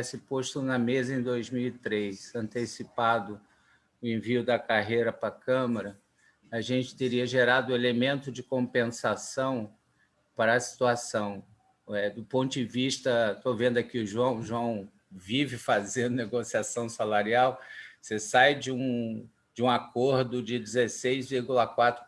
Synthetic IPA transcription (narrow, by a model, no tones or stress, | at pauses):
sɪpoʃt̪ʊnɐmezɐẽj̃d̪ojzmiwit̪ɾejsɐ̃nt̪esipad̪ʊ | ʊẽviʊd̪ɐkaɦejɾɐpɾɐkɐ̃mɐɾɐː | ʒẽnt͡ʃɪ̥t̪eɾiɐʒeɾad̪ʊelemẽnt̪ʊd͡ʒɪkõmpẽsasɐ̃w̃ | paɾɐːsi̥t̪uasɐ̃w̃ | ɛd̪ʊpõnt̪ʊd͡ʒɪviʃt̪ɐt̪ovẽnd̪ʊɐkiʊʒuɐ̃w̃ʒuɐ̃w̃ | vivɪfazẽnd̪ʊneɡosiasɐ̃w̃salaɾiawsesajd͡ʒɪũ | d͡ʒɪũakoɾd̪ʊd͡ʒɪd͡ʒɪzesejzviɾɡulɐkwat̪ɾʊ